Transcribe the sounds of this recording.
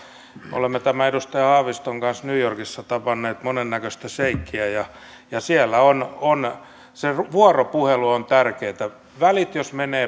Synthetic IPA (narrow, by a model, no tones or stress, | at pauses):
mḛo̰lemːet̪æmæedust̪ɑjɑhɑːʋist̪oŋkɑnsnyːjorkisːɑt̪ɑpɑnːeːt̪monenːækøst̪æseikːiæjɑ | jɑsielːæonon | seruʋuoropuheluont̪ærkeːt̪æ | ʋælit̪josmeneː